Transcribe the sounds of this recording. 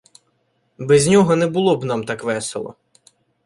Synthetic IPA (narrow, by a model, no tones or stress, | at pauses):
bɛzʲnʲɔɦɔnɛbʊlˠɔbnɑmt̪ɑkʋɛselˠɔ̰